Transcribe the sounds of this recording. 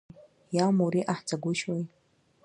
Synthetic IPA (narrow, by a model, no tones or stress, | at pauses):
jalmuɾiʔaħt͡sʰʼaɡʷʊʃwaj